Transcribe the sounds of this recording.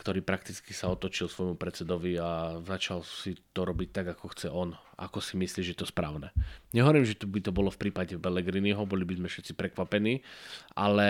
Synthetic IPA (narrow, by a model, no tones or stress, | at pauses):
kt̪ɔɾiːpɾakt̪it͡skisaɔt̪ɔt͡ʃilsʋɔjmupɾɛt͡sɛd̪ɔʋiazat͡ʃalsit̪ɔɾɔbic̚t̪aɡakɔxt͡sɛʔɔna̰kɔsimisliːʒɛjɛt̪ɔspɾa̰ːʊnɛɲɛɦɔʋɔɾiːmʒɛt̪bit̪ɔbɔlɔfpɾiːpaɟɛbɛlɛɡɾiniɦɔbɔlibizmɛfʃɛt̪t͡sipɾɛkʋapɛniːʔa̰lɛ